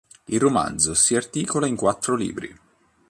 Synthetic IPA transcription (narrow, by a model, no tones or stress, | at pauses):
ilroma̰nd̪zosiart̪iːkolaiŋkwat̪ːɾolḭːbɾḭ